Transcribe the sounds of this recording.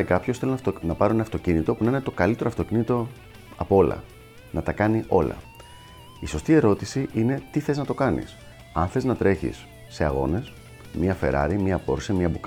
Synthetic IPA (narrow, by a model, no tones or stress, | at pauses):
ekɐpçoθelonnɐpɐɾonɐft̪o̞cinit̪o̞punɐinet̪o̞kɐlit̪e̞ɾoɐft̪o̞cinit̪o̞ | ɐpoo̞lɐ̰ | nɐt̪ɐkɐniʔo̞lɐ̰ | iso̞st̪ie̞ɾo̞t̪isiʔine̞t̪iθe̞znɐt̪o̞kɐnḭs | ɐnθe̞znɐt̪ɾe̞çḭsː | e̞ɐ̰ɣo̞̰ne̞s | miɐfe̞̰ɾɐ̰ɾimiɐpo̞̰ɾsemiɐbuk